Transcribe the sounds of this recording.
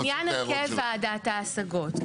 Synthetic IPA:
janakefadat̪aːsaɡot

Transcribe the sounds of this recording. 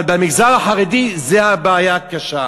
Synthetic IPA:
lbamiɡzaʁaħaʁed̪izeabeːjakaʃa

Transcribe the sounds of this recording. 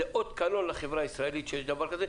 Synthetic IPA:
eʔod̪kano̞nlaχevʁaisʁaelit̪ʃejeʃd̪abaɾkaze

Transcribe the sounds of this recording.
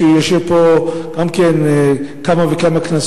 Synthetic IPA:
ejaʃevpoɡ̥amkenkamavekamaknas

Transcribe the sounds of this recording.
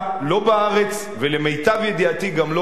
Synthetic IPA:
lo̞baaʁe̞t͡s | veleme̞jtavjed̪iat̪iɡamlo̞

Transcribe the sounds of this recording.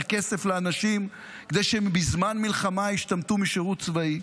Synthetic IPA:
ke̞sefleanaʃim | kd̪ejʃebizmanmilχamaiʃt̪amt̪umiʃeʁutt͡svai

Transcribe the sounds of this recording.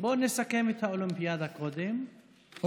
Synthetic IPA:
boːnesakemet̪haolimpijad̪hakod̪em

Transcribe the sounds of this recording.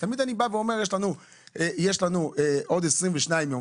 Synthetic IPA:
t̪amid̪anibaveo̞me̞ʁjeʃlanu | ejeʃlanueʔo̞d̪esʁimveʃnaimjo

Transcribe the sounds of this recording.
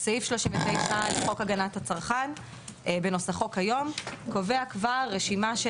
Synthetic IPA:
saifʃloʃĩmvetejχaleχo̞kaɡanathat͡saʁχan | ʔbeno̞saχo̞khajo̞mko̞veakvaʁːeʃimaʃ

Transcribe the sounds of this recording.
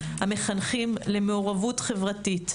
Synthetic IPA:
hame̞χanχimle̞meoʁavutχe̞vʁatit

